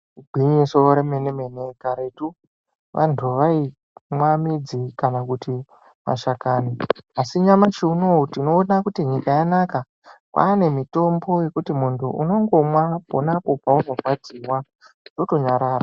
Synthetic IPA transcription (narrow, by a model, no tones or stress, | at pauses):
uɡʱiɲisoɾemenemenekaɾetu | ʋʔa̰ntʰuʋai | mwamid͡zikanakuti | ma̰ʃakaniasiɲamat͡ʃeunoutino̞ːnakutiɲikajanaka | kwʔa̰ːne̞mito̞mbo̞je̞kutimuntʰuʔuno̞ŋɡo̞mwaponapo̞pauno̞kwad͡ziwa | to̞to̞ɲaɾaːra